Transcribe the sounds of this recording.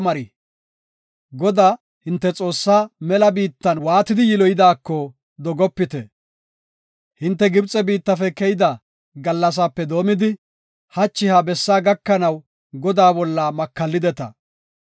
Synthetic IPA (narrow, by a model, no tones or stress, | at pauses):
mɐɾi | ɡɔd̪aː | hɪnt̪ːɛt͡sʼo̞ːsːaːmɛlɐbiːt̪ːɐnwaːt̪ɪd̪ɪjɪlɔjɪd̪aːkːɔ | d̪ɔɡɔpːɪt̪ɛ | hɪnt̪ːɛɡɪbt͡sʼɛbiːt̪ːɐfɛkɛjɪd̪a | ɡɐlːɐs̬aːpːɛd̪o̞ːmɪd̪ɪ | hɐt͡ʃːɪhabɛsːaːɡɐkːɐnɐw | ɡɔd̪aːbɔlːɐmɐkːɐlːɪd̪ɛt̪ɐ̰